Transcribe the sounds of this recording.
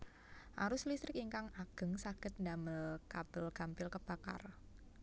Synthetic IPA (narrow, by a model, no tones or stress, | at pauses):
ʔa̰ɾʊslist̪ɾɪkiŋkaŋaɡ̥ə̤ŋsakɪt̪̚ndaməlkab̥əlɡ̥a̤mpɪlkəb̥aka̰r